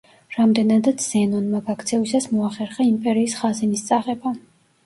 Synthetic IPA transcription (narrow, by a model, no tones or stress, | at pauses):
ɾamd̪ɛnad̪at̪sʰz̥ɛnɔnmaɡakʰt̪sʰɛvisasmɔaχɛɾχaimpʼɛɾiːsχazinist̪sʼaʁɛba